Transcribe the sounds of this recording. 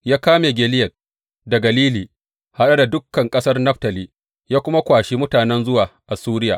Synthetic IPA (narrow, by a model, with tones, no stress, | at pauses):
jaː˦kaː˦meː˨ɡʲɛː˨lɪ˦jɐ˨t̚ | dɐ˨ɡɐ˨liː˦liː˨ | ha˨ɗa˦da˨dʊ˦kːɐ˨ŋkʼɐ˦sɐ˦rnɐ˦ɸtɐ˨liː˦ | jaː˦kʷʊ˦ma˦kʷaː˨ʃi˦mʊ˦taː˨nɛ˦nzʊ˦waː˨ʔa˨suː˦ɾɪ˦ja̰ː˨ʔ